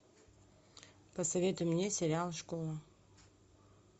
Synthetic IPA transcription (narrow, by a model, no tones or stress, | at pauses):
pəsɐvʲet̪ʊmnʲesʲɪɾʲalˠʂkolˠə